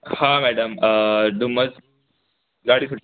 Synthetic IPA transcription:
hãmɛɖəmd̪uməd͡z | ɡaɽiːsʰuʈ

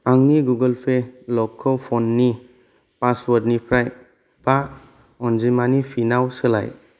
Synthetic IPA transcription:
aŋniɡuɡəlpʰelɔkʰːɔpʰɔnːi | paswɔdnipʰɾaj | b̥a | ɔnzimanipʰinawsɯla̰j

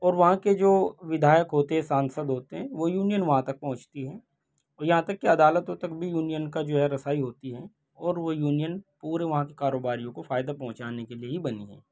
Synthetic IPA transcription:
ɔːɾʋɐɦãked͡ʒoːʋɪd̪ʱaːjəkɦoːt̪eɦɛ̃sãːnsəd̪ɦoːt̪eɦɛ̃ʋojuːnijənʋɐɦãt̪ɐk̚pɐ̃ɦʊ̃t͡ʃt̪iɦɛ̃ː | ɔːɾjɐɦãt̪ɐkːeɐd̪aːlət̪õt̪ɐkbʱijuːnijənkad͡ʒoːɦɛɾɐsaːiɦoːt̪iɦɛː | ɔːɾʋojuːnijənpuːɾeʋɐɦãkekaːɾoːbaːɾijõkofaːɪd̪apɐɦʊ̃t͡ʃaːnekelieɦibɐniɦɛ̰̃ː

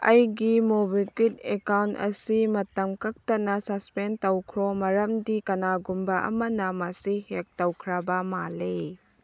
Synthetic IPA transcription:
ɐjɡimobikit̚ekawntɐ̰simɐtɐmkɐk̚tɐnɐsɐspentɐwkʰɾɔmɐɾɐmdikɐnaɡumbɐʔɐ̰mɐnɐmɐsihek̚tɐwkʰɾabɐmale

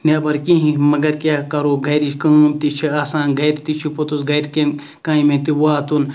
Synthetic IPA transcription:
nebɐɾkĩɦĩmɐɡɐɾkʲaːkɐɾoːɡʱɐjɾiʃkɐumt̪it͡ʃʰiaːsaːnɡʱɐjɾt̪it͡ʃʰipot̪usɡʱɐjʈkẽn | kãːĩmẽnt̪iwaːt̪un

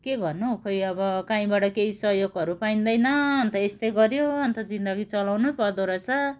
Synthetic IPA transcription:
keɡʱʌrnukʰojʌbʌkaĩbaʈʌkeisʌɦjoɡʌɾupaĩnd̪ʌjnʌʌnt̪ʌest̪ʌjɡʌɾjoʌnt̪ʌd͡zind̪ʌɡit͡sʌlawnupʌd̪oɾʌt͡sʰʌ

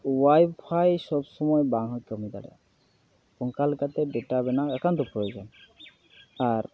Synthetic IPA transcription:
wajbpʰajsɔbsɔmɔjbaŋɦɔkɔmid̪a̰ɽɛ̰ | pɔŋkalkat̪ebeʈabɛnaakant̪ɔpɾojod͡ʒɔn | aɾ

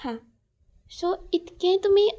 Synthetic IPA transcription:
ã | soɪt̪kẽt̪umẽ

